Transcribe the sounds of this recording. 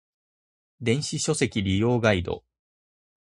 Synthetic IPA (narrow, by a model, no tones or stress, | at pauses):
d̪ẽ̞ɰ̃ɕiɕo̞se̞kʲiɾʲijo̞ːɡaid̪o̞̰